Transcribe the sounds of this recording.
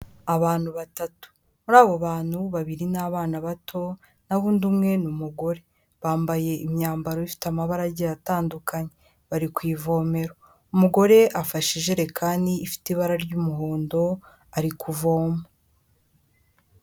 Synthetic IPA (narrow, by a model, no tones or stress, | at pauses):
aβaːn̥huβatatu̥ | muɾaːβo̞βaːn̥huβaβiɾinaβaːnaβatʰo̞ | naβuːndumŋe̞numuɡo̞ɾe̞ | βaːmbaje̞imɲaːmbaɾoβifi̥tamaβaɾaɟejataːndukaɲe̞ | βaɾikwiːvo̞ːme̞ɾo | umuɡo̞ɾe̞ʔafaʃiʒe̞ɾe̞kʰaːndiːfi̥tiβaɾaɾɟumuɦoːndo̞ | aɾikʰuvo̞ːmo